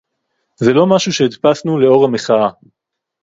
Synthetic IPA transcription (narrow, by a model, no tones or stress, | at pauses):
zelo̞maʃuʃeid̪pasnuleo̞ʁameχaa